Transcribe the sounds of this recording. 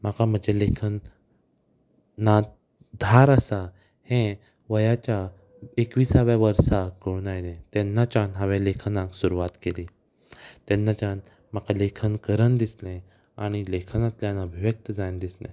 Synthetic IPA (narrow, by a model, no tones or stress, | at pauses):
m̤akam̤əd͡ʑelekʰən | at̪̚ | d̪ʱaɾəsa | hẽ | ʋəjat͡ɕa | ekʋiːsaʋjaʋəɾsakəunajnẽt̪ɛ̃nːat͡ɕãnɦaʋelekʰənãksuɾuʋat̪keliː | t̪ɛnːat͡ɕan | m̤akalekʰənkəɾənd̪islẽ | aɽ̃ilekʰənãt̪ljãnəbʱiʋjək̚t̪əd͡zajnd̪islḛ̃